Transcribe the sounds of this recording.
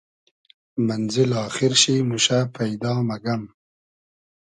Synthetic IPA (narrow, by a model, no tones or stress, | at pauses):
manzɪlɑːxɪɾʃimuʃapʰajd̪ɑːmaɡam